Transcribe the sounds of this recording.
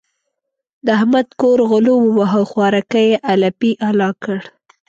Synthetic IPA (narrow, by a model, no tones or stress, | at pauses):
d̪əahmad̪koɾɣʊlowəwaɦəxwɑɾakajeʔalapiʔalɑkəɽ